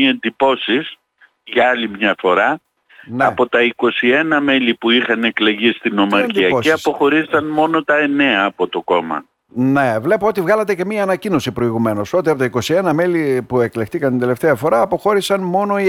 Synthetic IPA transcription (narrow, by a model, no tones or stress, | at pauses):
iend̪ipo̞sis | ʝɐɐlimɲɐfo̞ɾɐ | nɐpo̞t̪ɐiko̞sie̞nɐme̞lipuixɐne̞kle̞ʝist̪ino̞mɐɾnc̪iɐosiɐspo̞xo̞ɾizsɐnmo̞no̞t̪ɐe̞ne̞ɐːpo̞t̪o̞ko̞mɐ̰ | ne̞vle̞poot̪ivɣɐlɐt̪ece̞miɐːnɐcino̞sipɾo̞iɣume̞no̞so̞t̪iɐpot̪ɐiko̞sie̞nɐme̞lipue̞klext̪ikɐnt̪ind̪le̞ft̪eɐfo̞ɾɐːpo̞xo̞ɾisɐnmo̞no̞